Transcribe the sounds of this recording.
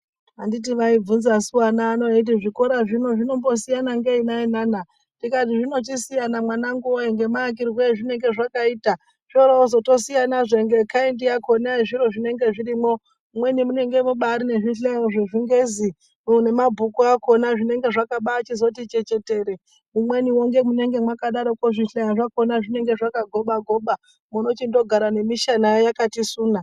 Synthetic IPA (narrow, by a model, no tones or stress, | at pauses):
andit̬iʋaib͡vunzasuwanaːno̞et̬iʐiko̞ɾaʐino̞ʐino̞mbo̞sijanaŋɡeinainana | tikat̬iʐino̞t͡ʃisijanamwanaŋɡuwoeŋɡe̞maːk̬irweʐine̞ŋɡe̞ʐakaiːta | ʃoɾauzo̞to̞sijanaʐeŋɡe̞kaendijako̞naiʐiɾo̞ʐine̞ŋɡe̞ʐiɾimo̞ | umwe̞nimune̞ŋɡe̞muɓaːɾine̞ʐiɬejaʐeʐiŋɡe̞zi | une̞mabʱukuako̞naʐine̞ŋɡe̞ʐakaɓaːt͡ʃizo̞tit͡ʃe̞t͡ʃe̞te̞ːɾe | umwe̞niwoŋɡe̞muneŋɡe̞mwakaɗaɾokoʐiɬejaʐako̞naʐine̞ŋɡe̞ʐakaɡʱo̞ɓaɡʱo̞ɓa | muno̞t͡ʃindo̞ɡʱaɾane̞miʃanajjakatisuːna